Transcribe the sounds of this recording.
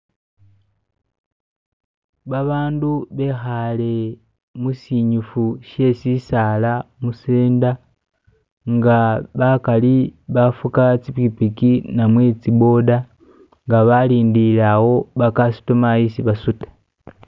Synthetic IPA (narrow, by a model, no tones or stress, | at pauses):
βaβaːnduβe̞xale̞ | musiɲufuʃje̞sisalamuseːnda | ŋɡaβakaliβafukat͡siβipikinamwe̞t͡sibo̞da | ŋɡaβaliːndilawo̞βakasu̥tomaisiβasutḁ